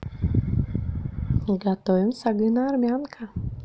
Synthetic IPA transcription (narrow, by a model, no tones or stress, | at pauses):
ɡat̪ɔjɪmsaɡɨnaːɾmʲankʰa